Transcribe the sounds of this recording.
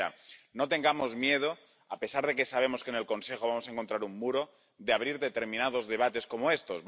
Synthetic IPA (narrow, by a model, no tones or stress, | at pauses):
a̰no̞t̪e̞ŋɡamo̞zmje̞ðo̞ | ape̞saɾðe̞ke̞saβ̞e̞mo̞skene̞lko̞nse̞xoβ̞amosae̞ŋko̞nt̪ɾaɾumːuɾo̞ | ðeaβ̞ɾiɾðe̞t̪e̞ɾmĩnað̞o̞zðe̞β̞at̪e̞sko̞moe̞st̪o̞z